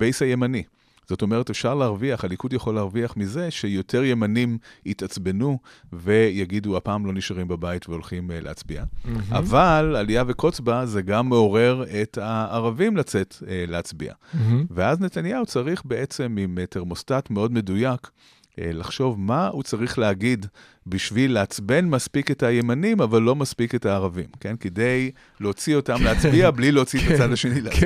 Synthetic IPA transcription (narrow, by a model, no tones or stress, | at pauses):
b̥ejsaje̞mani | z̥o̞to̞meʁete̞fʃaʁleaʁviaχhalikudjaχo̞leːʁviaχmize̞ʃejo̞tʰe̞ʁje̞manimitat͡sbe̞nuve̞jaɡiduapaːmlo̞niʃaʁimbabaitveo̞lχimlʔeat͡sbiaa̰valaliave̞ko̞t͡sbaze̞ɡamːeo̞ʁe̞ʁe̞taːʁavimlat͡se̞tleat͡sbḭa̰veazne̞tanjaut͡saʁiχbe̞ʔe̞t͡se̞mimeteʁmo̞statmeo̞dme̞dujak | elaχʃo̞vmaut͡saʁiχleaɡid | biʃvilːeat͡sbe̞nmaspiketaje̞manimavalːo̞maspike̞taːʁavḭmke̞nkede̞j | leot͡sio̞tamleat͡sbiablileot͡sitat͡sadlaʃenil